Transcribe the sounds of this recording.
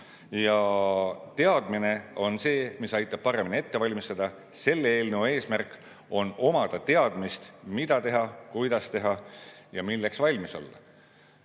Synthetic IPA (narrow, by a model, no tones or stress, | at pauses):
jɑ | t̪e̞ɑd̪mine̞o̞nse̞ːmisɑjt̪ˑːɑb̥̚pɑɾe̞minie̞t̪ːe̞vɑlʲmist̪ɑd̪̥ɑ | se̞lːeeːlnewe̞ːsmærkːˑ | o̞no̞mɑd̪̥ɑt̪e̞ɑd̪̥mist̪mid̪̥ɑt̪e̞ɦɑkujd̪̥ɑst̪e̞ɦɑjɑmilːeksvɑlʲmiso̞̰lːɑ̰